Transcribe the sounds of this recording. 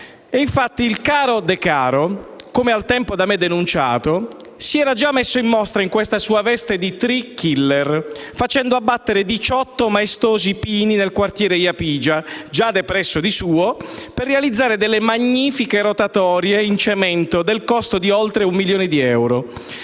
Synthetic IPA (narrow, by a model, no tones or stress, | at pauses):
eiɱfat̪ːiːlkaːɾod̪ekaːɾokomealt̪ɛmpod̪amed̪ːenunt͡ʃa̰ːt̪o | siɛːɾad͡ʒamːesːoimːɔst̪ɾaiŋkwest̪asuːavɛst̪ed̪it̪ɾikːilːerfat͡ʃɛnd̪oabːat̪ːeɾed̪it͡ʃɔt̪ːomaest̪oːzipiːninelkwart̪jɛːɾejapiːd͡ʒad͡ʒad̪epɾɛsːod̪isuːoperːealid̪zːaːɾed̪ɛlːemaɲːiːfikeɾot̪at̪ɔːɾjeint͡ʃemɛnt̪od̪elkɔst̪od̪iolt̪ɾeumːiljoːned̪iɛwɾo